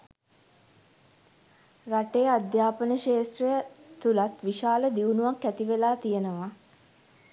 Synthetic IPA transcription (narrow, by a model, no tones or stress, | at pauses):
raʈeːad̪jaːpənəʃeːsrəjət̪ulat̪ʋiʃaːləd̪iunuʋakːæt̪iʋelaːt̪ijənəʋa